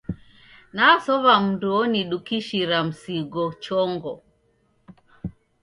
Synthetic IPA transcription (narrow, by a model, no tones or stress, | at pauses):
nasɔβam̩nduɔniɗukiʃiɾam̩siɡɔt͡ʃɔŋɡɔ̰